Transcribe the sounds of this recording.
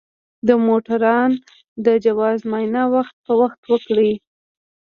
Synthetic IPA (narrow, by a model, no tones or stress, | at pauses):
d̪əmoʈaɾɑn | d̪əd͡ʒawɑzmɑjnawaxt̪̚pəwaxt̪wəkɽi